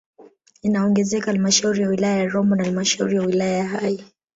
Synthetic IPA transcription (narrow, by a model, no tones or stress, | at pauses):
inaɔŋɡɛzɛkahalmaʃauɾijawilajajaɾɔmbɔnahalmaʃaṵɾijawilajajahai